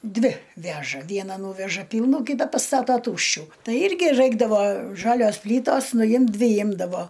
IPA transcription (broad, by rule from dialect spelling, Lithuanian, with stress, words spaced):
ˈdʲʋʲɪ ˈʋʲæːʒɐ ˈʋʲiɛnɐ ˈnuːʋʲɛʒɐ ˈpʲiːlˠnuː ˈkʲiːtɐ pɐˈstɑːtoːˈtuːʃʲt͡ʃʲuː ˈtɐɪ ˈɪrʲɡʲɪ ˈrɐɪɡdɐʋoː ˈʒɑːlʲoːs ˈpʲlʲiːtoːs nʊˈjɪmt ˈdʲʋʲɪ ˈjɪmdɐʋoː